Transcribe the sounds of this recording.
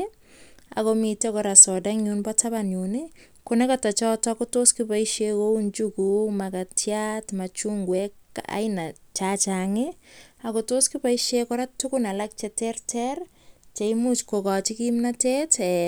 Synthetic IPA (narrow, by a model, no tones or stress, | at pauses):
a̰komitekɔɾasɔdaŋunbɔtabanuni | konɛkatat͡ʃɔtɔkotoskipaiʃekount͡ʃukumakatjatmat͡ʃuŋɡwɛka̰ɪnat͡ʃat͡ʃaŋɪakotoskipaiʃekɔɾatːukʊnalak̚t͡ʃɛtɛrtʰɛr | t͡ʃeimut͡ʃkokɔt͡ʃikimnatetɛ